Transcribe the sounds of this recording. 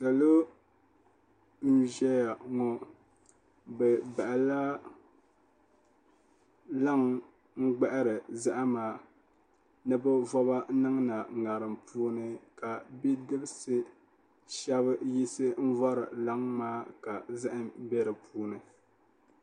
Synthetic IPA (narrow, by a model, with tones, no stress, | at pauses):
sa˨lo˦ | n̩˦ʒɛ˦ja˨ŋɔ˨ | bɛ˨ba˨ʔa˨la˦ | la˦ŋ | ŋ̩˦ɡ͡ba˦ʔa˦ɾɨ˨za˦ʔa˦maː˦ | nɨ˦bɨ˦vɔ˦ba˦nɨ˦ŋna˨ŋa˨ɾɨ˨mpʰuː˦nɨ˦ka˨bi˦dɨ˦bɨ˦sɨ˦ | ʃɛ˦βɨ˦ji˦sɨ˦m̩˦vɔ˦ɾɨ̰˨la˦ŋmaː˦ka˨za˦ʔɨ˨mbɛ˦ɾɨ˨pʰuː˦nɨ˨